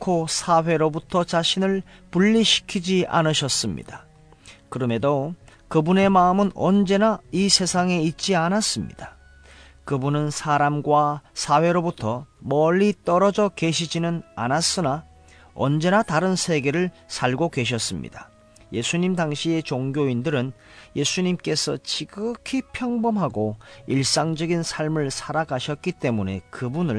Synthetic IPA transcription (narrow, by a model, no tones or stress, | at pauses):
kʰosʰaɸe̞ɾobutʰʌt͡ɕaɕʰinɯɭpuʎːiɕʰi̥kʰid͡ʑia̰nɯɕʰʌs͈ɯmɲḭd̥a | kɯɾʌme̞dokɯbune̞maɯmɯnʌnd͡ʑe̞naisʰe̞sʰaŋe̞it̚t͡ɕ͈ianas͈ɯmɲḭd̥ḁ | kɯbunɯnsʰaɾamɡwasʰaɸwe̞ɾobutʰʌmʌʎit͈ʌɾʌd͡ʑʌke̞ɕʰid͡ʑinɯna̰nas͈ɯna | ʌ̰nd͡ʑe̞nataɾɯnsʰe̞ɡe̞ɾɯɭ | sʰaɭɡokwe̞ɕ̬ʰʌs͈ɯmɲḭdḁ | je̞sʰuɲimdaŋɕʰie̞t͡ɕoŋɡjoindɯɾɯn | je̞sʰuɲimk͈e̞sʰʌt͡ɕiɡɯkʰipʰjʌŋbʌmɦaɡoiɭs͈aŋd͡ʑʌɡinsʰaɭmɯɭsʰaɾaɡaɕʰʌt̚k͈it͈e̞mune̞kɯbunɯɭ